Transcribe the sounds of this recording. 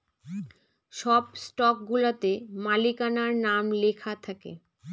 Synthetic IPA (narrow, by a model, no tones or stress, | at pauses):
ʃɔbsʈɔk̚ɡulat̪emalikanaɾnamlekʰat̪ʰakḛ